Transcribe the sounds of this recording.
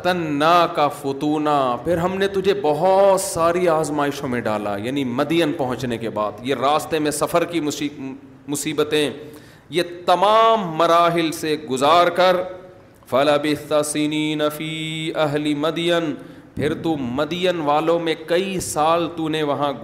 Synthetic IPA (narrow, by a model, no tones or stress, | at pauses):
t̪ɐnːakafʊt̪uːnapʰɪɾɦɐmnet̪ʊd͡ʒʱebɐɦɔt̪saːɾiaːzmaːɪʃõmẽɖa̰ːla̰jaːnimɐd̪ijənpɐɦʊ̃t͡ʃnekeba̰ːd̪jeɾaːst̪emẽsɐfəɾki | mʊsiːbət̪ẽ | jet̪ɐmaːmːɐɾaːɦɪlseɡʊzaːɾkɐɾ | fɐlɐbɪθɐsiniːnɐfiːɐɦlimɐd̪jən | pʰɪɾt̪umɐd̪ɪjənʋaːlõmẽkɐisaːlt̪uneʋɐɦã